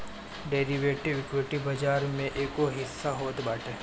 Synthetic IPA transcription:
ɖeːɾiʋeːʈɪʋɪkweʈibɐd͡ʒaːɾmẽʔeːkoɦɪsːaɦoːt̪baːʈʰeː

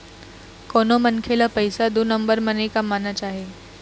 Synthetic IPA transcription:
konomənkʰelapəjsad̪uːnəmbəɾmənekamanat͡ɕaɦe

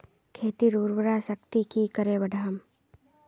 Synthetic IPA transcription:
kʰeːt̪iɾuːɾbəɾasəkt̪ikikəɾeːbɐɖʱaəm

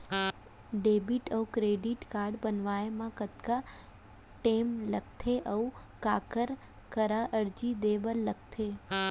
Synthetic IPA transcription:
ɖebiʈəukɾeɖiʈkaɾɖbənʋaemãkət̪ka | ʈemlək̚t̪ʰeʔəkakəɾ | kəɾaʔəɾd͡ʒid̪eʋəlːək̚t̪ʰe

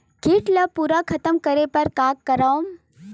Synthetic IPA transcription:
kiʈlɐpuːɾakʰɐt̪əmkəɾepɐɾkaːkːɐɾaom

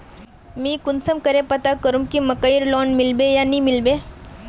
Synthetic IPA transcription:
mĩːkʊnsəmkəɾepɐt̪akəɾũmkimɐkəjɾloːnmɪlbejanĩmɪlbeː

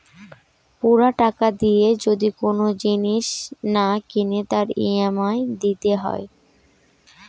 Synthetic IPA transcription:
puɾaʈakad̪ijed͡ʑod̪ikonod͡ʑiniʃnakinet̪aɾiamaed̪it̪eɦɔ̰e

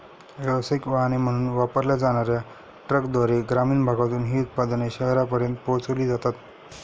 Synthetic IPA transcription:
ʋjəʋəsaikʋaɦanem̤əɽ̃uːnːnʋapəɾljad͡zaɽ̃aɾja | ʈɾəkd̪ʋaɾeɡɾamiːnbʱaɡat̪uːnɦiːut̪̚pad̪əneɕəɦɾjapəɾjənt̪̚poɦt͡sʋliːd͡zat̪at̪

